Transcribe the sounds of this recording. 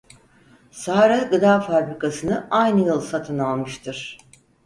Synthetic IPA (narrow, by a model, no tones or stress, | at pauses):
saɾɛɡɯd̪aːfabɾikʰasɯnɯʔajnɯjɯlˠsat̪ʰɯnalˠmɯʃt̪ʰɯɾ̥